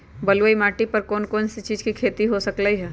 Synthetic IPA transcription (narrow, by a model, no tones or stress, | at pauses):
bɐlʋəimaːʈipɐɾkoːnkoːnsit͡ʃiːd͡ʒkikʰeːt̪iɦosɐkləiɦɛː